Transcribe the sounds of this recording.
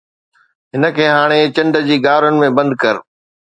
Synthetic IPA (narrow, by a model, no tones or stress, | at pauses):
ɦɪnə̆kʰeːɦaːɽ̃et͡ɕɐ̃ɳɖəd͡ʑiːɡaːɾʊnɪ̆mẽbɐ̃nd̪̚kɐɾ